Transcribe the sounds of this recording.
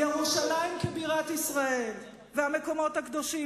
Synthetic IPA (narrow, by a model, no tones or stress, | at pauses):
jeʁuʃalajmkebiʁat̪isʁae̞l | veame̞ko̞mo̞t̪hakd̪o̞ʃi